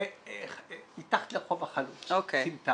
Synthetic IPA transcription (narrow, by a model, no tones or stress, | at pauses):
itaχt̪leχovaχalut͡sokeimta